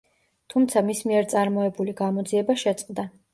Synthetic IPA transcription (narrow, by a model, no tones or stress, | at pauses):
t̪ʰumt̪sʰamismiɛɾt̪sʼaɾmɔɛbuliɡamɔd̪ziɛbaʃɛt̪sʼqʼd̪a